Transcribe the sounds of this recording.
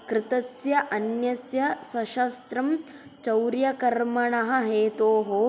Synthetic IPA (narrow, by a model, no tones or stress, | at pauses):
kɾɪt̪ɐsjɐʔɐnjɐsjɐsɐʃɐst̪ɾɐm | t͡ʃɐwɾjɐkɐɾmɐɳɐɦɐ̆ɦeːt̪oːɦoː